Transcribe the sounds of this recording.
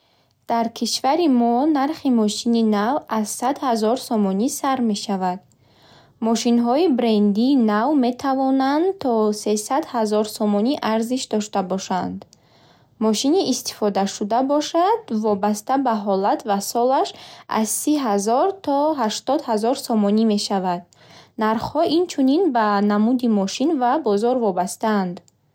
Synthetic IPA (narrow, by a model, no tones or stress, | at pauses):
d̪̥aɾkʰiʃvaɾimɔnaɾχimɔʃininavazsad̪hazɔɾsɔmɔnisaɾme̞ʃavad̪̚ | mɔʃinɦɔibɾe̞nd̪iːnavme̞t̪ʰavɔnand̪t̪ʰɔse̞sad̪hazɔɾsɔmɔniʔaɾziʃd̪ɔʃt̪abɔʃand̪ | mɔʃiniːst̪i̥fɔd̪aʃud̪abɔʃad̪̥vɔbast̪abaɦɔlat̪vasɔlaʃʔa̰zsiɦazɔɾt̪ʰɔɦaʃt̪ɔd̪hazɔɾsɔmɔnime̞ʃavad̪̥̚ | naɾχhɔʔint͡ʃʰuninbanamud̪imɔʃinvabɔzɔɾvɔbast̪aːnd̪